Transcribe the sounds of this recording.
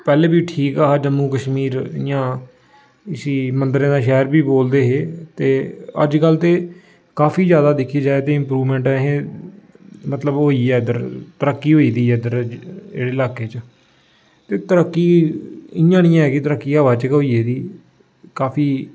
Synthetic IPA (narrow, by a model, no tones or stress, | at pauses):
pɛːlẽːbiːʈʰiːkaːɦaːd͡ʒəmːuːkəʃmiːɾɪjãː | ɪsiːmənd̪ɾẽːd̪aːʃɛːɾbiːboːld̪eːɦeːt̪eːə̰d͡ʒkəlt̪eː | kaːfʰiːzjaːd̪aːd̪ɪkʰiːd͡ʒaːet̪eːɪ̃mpɾuːʋmɛ̃ːɳʈɛɦẽː | mət̪ləbɦoːiːɛːd̪əɾt̪əɾəkːiːɦoːiːd̪iːɛːd̪əɾɪ̰ɽeːɪlaːkeːt͡ʃ | t̪eːt̪əɾəkːiːɪjãːnĩjãːɦɛːkɪt̪əɾəkːiːaːʋaːt͡ʃəkɦoːiːeːd̪iː | kaːpʰiː